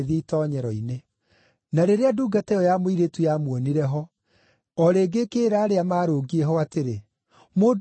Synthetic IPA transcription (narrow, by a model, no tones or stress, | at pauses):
ðiitɔːɲɛɾɔine | naɾeɾeaduɡatɛjɔjamoiɾetujamwɔniɾɛɦɔ | ɔɾeːɡekeːɾaːɾeamaːɾoːɡiɛɦɔateɾe | mo